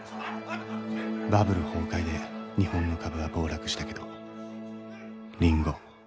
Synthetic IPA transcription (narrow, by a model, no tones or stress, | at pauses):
babɯ̟ɾɯho̞ːkaid̪e̞ɲ̟ihõ̞nːo̞kʰabɯ̟β̞abo̞ːɾakɯ̟ɕi̥t̪ake̞d̪o̞ | ɾʲĩŋɡo̞